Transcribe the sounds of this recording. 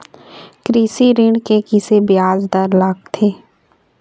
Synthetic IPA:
kɾiːsiɾɪɳkekɪsebjaːzd̪əɾlaːɡ̚t̪ʰeː

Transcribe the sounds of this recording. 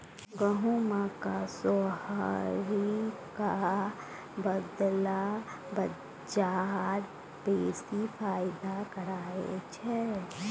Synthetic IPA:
ɡəɦumãkasohaɾika | bəd̪la | bə | d͡ʒaɾ | beːsifʰaːjɪd̪akəɾaːḛt͡ʃʰɛ

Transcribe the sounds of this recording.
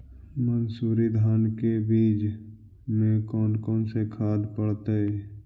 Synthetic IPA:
mənsuːɾid̪ʱaːnkebiːd͡ʒ | mẽkɔːnkɔ̃ːnsekʰaːd̪pəɽt̪eɛ

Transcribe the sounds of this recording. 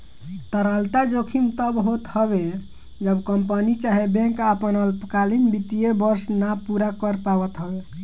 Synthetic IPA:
t̪əɾəlt̪ad͡ʒokʰimt̪əbɦot̪həbe | d͡ʒəbkəmpənit͡ʃaɦebẽŋkapənəlpkalinbit̪ijebəɾsnapuɾakəɾpaʋət̪ɦəbe

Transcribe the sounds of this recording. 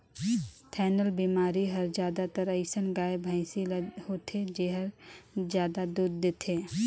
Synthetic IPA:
t̪ʰɛːnəlbiːmaːɾiɦəɾd͡ʒjaːd̪at̪əɾəɪsənɡaːebʱãɪ̃silhoːt̪ʰed͡ʒeɦəɾd͡ʒjaːd̪ad̪uːɾd̪et̪ʰeː

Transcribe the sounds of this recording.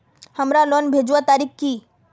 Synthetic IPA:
həmɾalɔnbʱed͡ʒwat̪aːɾikːi

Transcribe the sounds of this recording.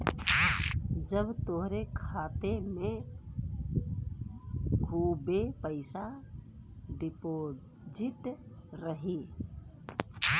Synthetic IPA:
d͡ʒəbt̪oɦɾekʰaːt̪emẽ | ɡʱuːbepəɪsa | ɖɪpo | d͡ʒiʈ | ɾəɦi

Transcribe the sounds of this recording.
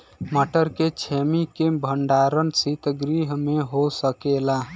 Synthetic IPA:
məʈəɾket͡ʃʰemikebʱəɳɖaɾənsit̪əɡɾiɦmeɦosəkela

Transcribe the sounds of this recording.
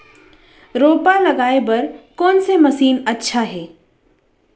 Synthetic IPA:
ɾoːpalɐɡaːebɐɾkɔːnsemɐsiːnɐtːʃʰaɦɛː

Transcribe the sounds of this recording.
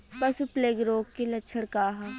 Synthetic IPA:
pɐsupleːɡɾoːkkilɐtːʃʰəɽkaːɦa

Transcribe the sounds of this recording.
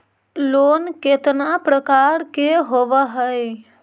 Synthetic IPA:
loːnket̪napɾəkaɾkeɦoʋəɦəj

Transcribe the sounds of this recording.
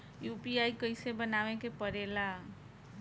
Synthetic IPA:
jupiajkəɪsebənaʋekepəɾela

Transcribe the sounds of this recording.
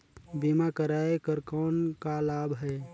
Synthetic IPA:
bimakəɾaːekəɾkɔːnkalaːbʱɦɛː

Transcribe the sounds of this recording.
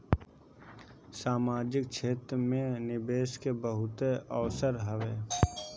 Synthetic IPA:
saːmaːd͡ʒɪk̚t͡ʃʰeːt̪ɾəmẽnɪbeːskebəɦʊt̪eəʋsəɾɦəʋeː

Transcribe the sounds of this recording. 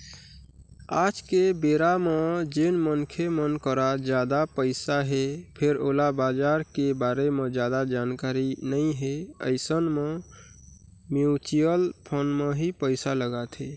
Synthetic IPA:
ad͡ʒkebeɾamed͡ʒenmənkʰemənkəɾad͡ʒjad̪apəɪsaɦepʰeɾolabad͡ʒaɾkebaɾemẽd͡ʒjad̪ad͡ʒankaɾinəĩɦeə̰ɪsənme | mjut͡ʃijəlpʰonmeɦipəɪsaləɡat̪ʰɦe

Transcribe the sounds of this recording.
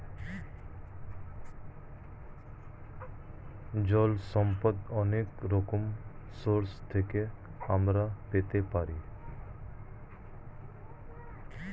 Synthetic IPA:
d͡ʒɔlsɔmpət̪ɔneːkɾokʊmsoɾst̪ʰeke | amɾapet̪epaɾiː

